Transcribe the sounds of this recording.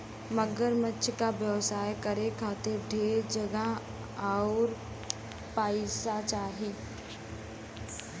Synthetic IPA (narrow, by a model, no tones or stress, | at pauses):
məɡəɾmətːʃʰkaʋjəʋsaːjkəɾekʰaːt̪ɪɾɖʱeːɾd͡ʒəɡa | aʊɾ | paːɪsat͡ʃaːɦeː